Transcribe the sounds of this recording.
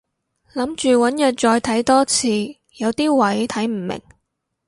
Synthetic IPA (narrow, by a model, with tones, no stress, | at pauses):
lɐ˨˥mt͡ʃyː˨wɐ˨˥njœ˨˩t̚t͡ʃɔː˧jt̪ʰɐ˨˥jt̪ɔː˥t͡sʰiː˧ | jɐ˨˧wt̪iː˥wɐ˨˥jt̪ʰɐ˨˥jm̩˨˩mɪ̰˨˩ŋ